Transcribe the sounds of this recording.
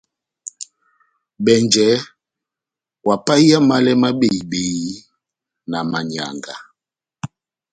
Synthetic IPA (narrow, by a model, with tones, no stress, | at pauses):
ɓɛ˨nd͡ʒɛ˨˦ | wa˨pa˦i˦a˦ma˦lɛ˦ma˦ɓe˨i˨ɓe˨i˦ | na˨ma˨ɲa̰˨ŋɡa˨